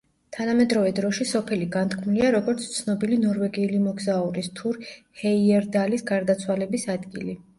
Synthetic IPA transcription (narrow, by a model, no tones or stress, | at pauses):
t̪ʰanamɛd̪ɾɔvɛd̪ɾɔʃisɔpʰɛliɡant̪kʰmuliaɾɔɡɔɾt̪sʰt̪sʰnɔbilinɔɾvɛɡiulimɔɡzauɾist̪ʰuɾ | hɛiɛɾd̪alisɡaɾd̪at̪sʰwalɛbisad̪ɡḭli